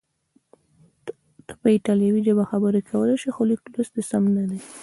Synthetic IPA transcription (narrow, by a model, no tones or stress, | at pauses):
t̪ə̥pəɪʈɑljawid͡ʒabaxabəɾekʰawəlaʃixoliklosd̪esamnad̪e